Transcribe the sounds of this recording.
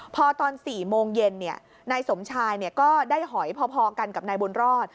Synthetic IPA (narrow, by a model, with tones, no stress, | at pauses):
pʰɔ˧t̪ɔː˧nsiː˨˩moː˧ŋje˧nːi˥˩ɐ | naː˧jso˩˦mt͡ɕʰaː˧jni˥˩ɐkɔː˥˩daː˥˩jɦɔ˩˦jpʰɔː˧pʰɔː˧ka˧nka˨˩p̚naː˧jbu˧nɾɔː˥˩t̪̚